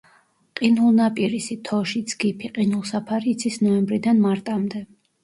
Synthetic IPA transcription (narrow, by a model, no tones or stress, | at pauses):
qʼinulˠnapʼiɾisit̪ʰɔʃid̪sɡipʰiqʼinulˠsapʰaɾiːt̪sʰisnɔɛmbɾid̪anmaɾt̪ʼamd̪ɛ